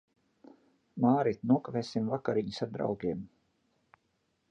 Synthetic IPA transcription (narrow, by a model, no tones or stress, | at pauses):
maːɾit̪nuɔkaveːsimvakaɾiɲisaɾd̪ɾa̰wɡʲeɛm